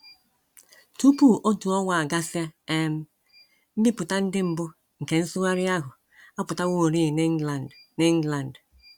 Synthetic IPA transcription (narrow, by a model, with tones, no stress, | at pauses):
tu˦pu˦˨ʔo˦tu˨ɔ˦wʷa˨a˨ɡa˦sja˦e˦m̩˦ | m̩˦bɪ˦pʊ˨ta˦n̩˦dɪ˦m̩˦bʊ˦ | ŋ̩˨ke˨n̩˦sʊ˦ŋa˦ɾɪ˦a˦ɦʊ˨ | a˦pʊ˨ta˦wo˦˨ɾi˦˨n˦˨ne˦ŋ̩˦la˨n˨d